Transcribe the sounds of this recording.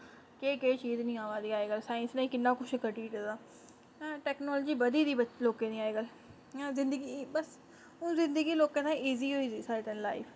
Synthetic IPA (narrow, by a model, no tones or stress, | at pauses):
keːkeːt͡ʃiːznĩːaːʋaːd̪iːaːeːɡəlsaːɪ̃nsnãĩːkɪnːãːkʊt͡ʃʰkəʈiːʈəd̪ãː | ʈɛːknɔːld͡ʒiːbəd̪iːd̪iːbəloːkẽːnĩːaːeːɡəlː | zɪ̃nd̪əɡiːbəs | õːzɪ̃nd̪əɡiːloːkẽːt̪ãiːziːɦoːiːd̪iːsaːɾeːt̪ãːnla̰ːiːfʰ